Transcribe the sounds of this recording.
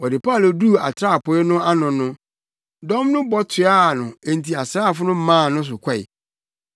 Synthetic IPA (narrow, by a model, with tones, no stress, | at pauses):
wɔ˨dɪ˨pʰa˦˨lo˨du˦˨a˨tʰɾa˦˨pʰʊ˨˦ɛ˦nʊ̃˦a˦nʊ̃˨nʊ̃˦ | dɔ̃˦mnʊ̃˦bɔ˦tʰɪ˨a˦˨nʊ̃˨e˨n̩˨tʰi˨a˨sɾaː˦˨fʊ˦nʊ̃˦mãː˦˨nʊ̃˦s̬ʊ˨kʷʰa˦˨ɪ̰˨